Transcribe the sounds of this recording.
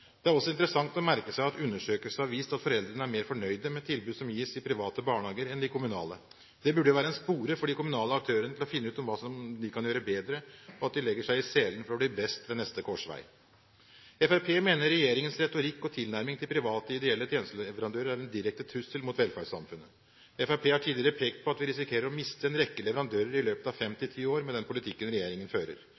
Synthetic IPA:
d̪̥ɛæɾɔsːɔɪnt̪əɾəsɑŋt̪ɔmæɾkəsæɪɑt̪ʉnːəʂøːkəlsn̩ɑʋiːst̪ɑt̪fɔɾɛld̪ɾənəæɾmeːɾfɔɳœʏd̪əmɛt̪ʰɪlbʉːd̪sɔmjiːsɪpʰɾɪʋɑːt̪əbɑːɳhɑːɡəɾɛnd̪ɪkʰʊmʉnɑ̰ːlə | d̪̥ɛbʉɖəʋæːɾəɛnspuːɾəfɔɖiːkʊmʉnɑːləɑk̚t̪ʰøːɾənət̪ɪlɔfɪnːəʉːt̪ɔmʋɑːsɔmd̪ɪkʰɑnjøːɾəbeːd̪ɾəɔɑt̪̚d̪ɪlɛɡːəʂæɪɪseːlənfɔɾɔbliːbɛst̪ʋɛnɛst̪əkʰɔʂʋæ̰ɪ | ɛfæpʰeːmeːnəɾɾɛjeːɾɪŋənsɾɛt̪ʊɾɪkːɔt̪ʰɪlnæɾmɪŋt̪ɪlpʰɾɪʋɑːt̪əɪd̪ɛɛlːət̪ʰjɛːnst̪lɛʋəɾɑnd̪øːɾəɾæɾɛnd̪ɪɾɛkt̪ət̪ʰɾʉsəlmʊt̪ʋɛlfæɖsɑ̰mfʉnːə | ɛfæpʰeːhɑʈʰiːd̪lɪəɾəpʰeːkt̪̚pʰɔɑt̪ʋɪɾɪsɪkʰeːɾəɾɔmɪst̪əɛnɾɛkːəlɛʋəɾɑnd̪øːɾəɾɪløːpət̪ɑʋfɛmt̪ɪt̪ʰiːoːɾmɛd̪ɛnpʰʊlɪt̪ʰɪkːənɾɛjeːɾɪŋənføːɾə̰ɾ

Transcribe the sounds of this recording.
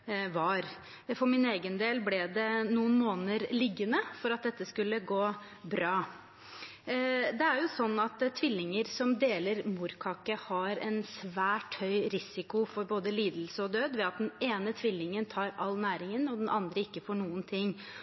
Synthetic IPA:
ʋɑɾ | fɔɾmɪneːɡənd̪eːlblɛd̪ɛnuːənmoːnəɾlɪɡːənəfɔɾɑt̪̚d̪ɛt̪ːəskʉlːəɡoː | bɾɑː | d̪ɛæɾjʊsɔnːɑt̪t̪ʰʋɪlːɪŋəɾsɔmd̪eːləɾmuɾkʰɑːkəhɑɾɛ̰nsʋæːʈhœʏɾɪsɪkʊfɔɾboːd̪əliːd̪l̩səɔd̪øːd̪ʋɛɑt̪̚d̪ɛneːnət̪ʰʋɪlːɪŋənt̪ʰɑːɾɑlːnæːɾɪŋənɔd̪ɛnʔɑnd̪ɾəɪkːəfoːɳuːənt̪ʰɪŋː

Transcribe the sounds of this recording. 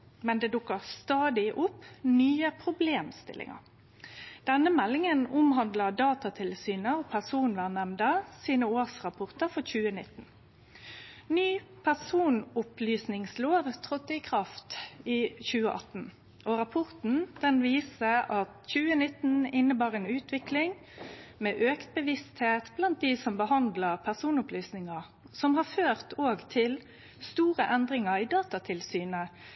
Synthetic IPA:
mɛnd̪eːd̪ʊkːəʁst̪ɑːd̪ɪʔʊpːnyːəpʰʁʊbleːmst̪ɪ̰lʔɪ̰ŋə̰ʁ | d̪̥ɛnːəmɛlːɪŋənʊmɦɑnd̪ləd̪ɑːt̪ɑt̪ʰɪlsyːnəopʰæʁsuːnʋænɛmd̪əsiːnəoːʁsʁɑpʰɔʁt̪əʁfɔçʉːənɪ̰t̪ːn̩ | nyːpʰæʁsuːnʊplyːsnɪŋsloːʋt̪ʰʁɔt̪ːəikʰʁɑft̪iːçʉːəʔɑ̰t̪n̩ | ʔɔʁɑpʰɔʁt̪n̩d̪̥ɛnʋiːsəʔɑt̪çʉːənɪt̪n̩ɪnːəbɑːʁeːnʉːt̪ʋɪklɪŋ | meːʔøːkt̪bəʋɪst̪heːt̪blɑnt̪̚d̪isɔmbəhɑnd̪ləʁpʰæʁsuːnʊplyːsnɪŋɑ | sɔmhɑføːʁt̪oːɡt̪ʰɪl | st̪uːʁəʔɛnd̪ʁɪŋəʁid̪ɑːt̪ɑt̪ʰɪlsyːnə

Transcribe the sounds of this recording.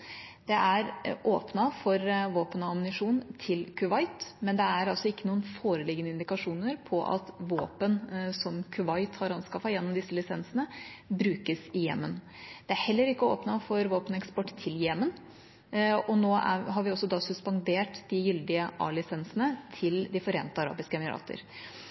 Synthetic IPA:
d̪̥ɛʔæɾʔoːpnɑfɔɾʋoːpənɑmnɪʂuːnt̪ʰɪlkʰʉʋɑɪt̪mɛnd̪ɛæɾɑlsɔɪkːənuːənfoːɾəlɪɡənəɪnd̪ɪkɑʂuːnəɾpʰɔʔɑ̰t̪ʋoːpənsɔmkʰʉʋɑɪt̪hɑɾɑnskɑfɑjɛnːɔmd̪ɪsːəlɪsɛnsənəbɾʉːkəsɪjɛ̰mːən | d̪̥ɛæɾhɛlːəɾɪkːəo̰ːpnɑfɔɾʋoːpənɛkspɔʈːt̪ʰːɪljɛmən | ɔnoːæ̰ɦɑɾʋɪɔsːɔd̪ɑːsʉspɑnd̪eːʈd̪ɪjʏld̪ɪəʔɑ̰ːlɪsɛnsənət̪ʰɪld̪ɪfɔɾḛːnt̪ːəɑɾɑ̰ːbɪskəɛmɪɾɑ̰ːt̪ə̰ɾ

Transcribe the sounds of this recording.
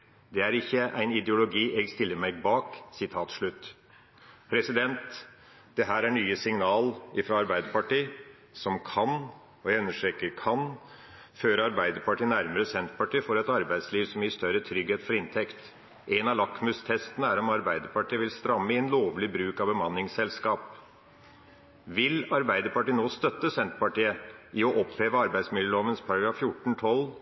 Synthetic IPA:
d̪ɛæɾɪçːəʔæɪnɪd̪jʊlʊɡiːʔɛɡst̪ɪlːəɾmæɪɡbɑːksɪt̪ʰɑːt̪ʂɭʉt̪ː | pʰɾɛsɪd̪ɛnt̪ | d̪̥ɛɦæːɾæɳyːəsɪŋnɑːlɪfɾɑɑɾbæɪd̪əɾpɑʈiː | sɔmkʰɑn | ɔjæɪʉnːəʂʈɾɛːkəɾkʰɑnføːɾɑɾbæɪd̪əɾpɑʈiːnæɾməɾəsɛnt̪̚pɑʈiːfoːɾɛt̪ɑɾbæɪd̪sliːʋsɔmjɪst̪œɾət̪ʰɾʏɡheːt̪fɔɾɪnt̪ʰɛkt̪ | ʔɛnɑlɑkmʉst̪ʰɛst̪ənəæɾɔmɑɾbæɪd̪əɾpɑʈʰiːəʋɪlst̪ɾɑmːəɪɛnloːʋlɪbɾʉːkɑʋbəmɑnːɪŋsɛlskɑːp | ʋɪlɑɾbæɪd̪əɾpɑʈiːnoːst̪œt̪ːəsɛnt̪pɑʈiːəʔɪɔʔɔpheːʋəɑɾbæɪd̪smɪljəloːʋənspʰɑɾɑɡɾɑːffjʊʈːɳ̩t̪ʰɔlː

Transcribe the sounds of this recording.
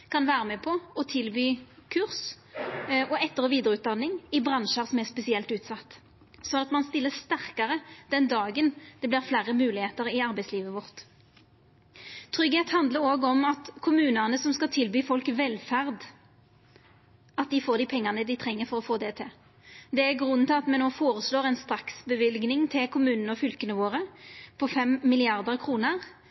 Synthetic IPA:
kʰɑnʋæːʁəmɛpʰɔɔt̪ʰɪlbyːkʰʉʁs | ɔɛt̪ːəʁəʋiːd̪əʁʉːt̪̚d̪ɑnːɪŋɪbʁɑnʃɑʁsɔmɛʁspɛsɪɛlt̪ʉːt̪sɑt̪ː | sɔnɑt̪mɑnst̪ɪlːəst̪æʁkɑʁəd̪̥ɛnd̪ɑːɡənd̪̥ɛbliːʁflæːʁəmʉːlɪheːt̪əʁɪɑʁbæɪsliːʋəʋɔʁt̪ | t̪ʰʁʏɡheːt̪hɑnd̪ləɾoːɡəɔmɑt̪kʰʊmʉːnənəsɔmskɑt̪ʰɪlbyːfɔlkʋɛlfæʁd̪ | ɑt̪̚d̪ɪfoːʁd̪ɪpʰɛŋːɑnəd̪ɪt̪ʰʁɛŋːəfɔʁɔfoːd̪ɛt̪ʰɪ | d̪ɛæɡʁʉnːət̪ʰɪɑt̪mɛnoːfoːʁəsloːʁɛɪnst̪ɾɑksbəʋɪlɡnɪŋt̪ʰɪlkʰʊmʉːnənəɔfʏlkənəʋoːʁəpʰɔfɛmːɪlɪɑʁd̪əʁkʰʁuːnəʁ

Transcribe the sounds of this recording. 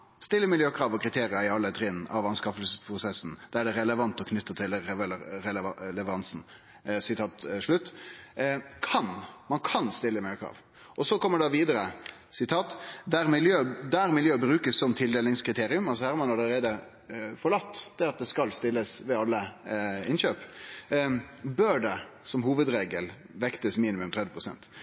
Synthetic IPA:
st̪ɪlːəmɪljøːkʰɾɑːʋɔkʰɾɪt̪ʰeːɾɪəɪɑlːət̪ʰɾɪːnɑ̰ʋɑnskɑfəlsəspʰɾʊsɛsn̩d̪̥ææɖɛɾɛləʋɑnt̪ɔkʰnʏt̪ːət̪ʰɪlɾɛllɛʋəɾɑnsn̩ | sɪt̪ʰɑːt̪ʂɭʉt̪ː | kʰɑnmɑnkʰɑnst̪ɪlːəmɪljøːkʰɾɑ̰ːʋ | ʔɔsɔkʰɔmːəɖɑʋiːd̪əɾə | sɪt̪ʰɑːt̪d̪æɾmɪljøːd̪æɾmɪljøːbɾʉːkəsːɔmt̪ʰɪld̪eːlɪŋskʰɾɪt̪ʰeːɾɪʉmɑls̬ɔhæɾmɑnɑləɾeːd̪ə | fɔɭɑt̪ːd̪̥ɛɑt̪̚d̪ɛskɑlst̪ɪlːəsʋɛɑlːəɪnɕøːp | bœɖɛ | sɔmɦuːʋəd̪ɾeːɡəl | ʋɛkt̪əsmiːnɪmʉmt̪ʰʁɛd̪ʋəpʰɾʊsɛ̰nt̪

